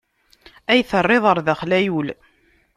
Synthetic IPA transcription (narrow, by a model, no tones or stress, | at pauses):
æjθərˤːeðˤəɾˤðæχlæjul